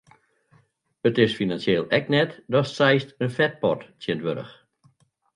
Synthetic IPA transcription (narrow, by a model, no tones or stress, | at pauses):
ətɪsfinansjeːlˠɛknɛtdɔsɛjstənfɛt̚pɔ̰rttjəndʋøɾə̰x